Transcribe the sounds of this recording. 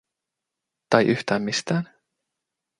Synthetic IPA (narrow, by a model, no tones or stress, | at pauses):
t̪ɑjʔyht̪æːmmist̪æːn